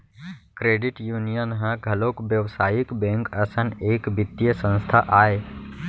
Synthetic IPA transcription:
kɾeːɖɪʈjuːnijənɦə̃ɡʱɐloːkbjəʋsaːjikbɛ̃ːŋkɐsəneːkbɪt̪ːjəsə̃nst̪ʰaʔaːe

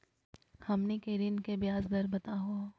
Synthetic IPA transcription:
hɐmnekeːɾɪnkebjaːzd̪ɐɾbɐt̪aɦua

